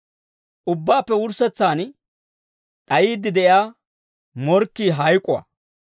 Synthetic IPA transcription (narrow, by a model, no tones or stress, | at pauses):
ʔʊbːaːpːɛwʊɾsɛt͡sːaːn | ɗɐjiːd̪ːɪd̪ɛʔjaː | mɔɾkːiːɦɐjkʼʊwɐ̰